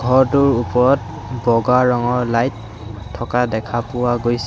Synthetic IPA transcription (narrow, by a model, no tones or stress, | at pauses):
ɡʱɔɹtuɹupɔɹɔt̚ | bɔɡaɹɔŋɔlajtʰː | ɔkadɛkʰapʊwaɡojs